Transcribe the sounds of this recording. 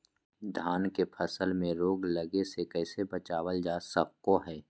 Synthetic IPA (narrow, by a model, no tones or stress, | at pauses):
d̪ʱaːnkepʰəsəlmẽɾoːɡləɡesekɛːsebət͡ʃaːwəld͡ʒaːsəkːoɦɛː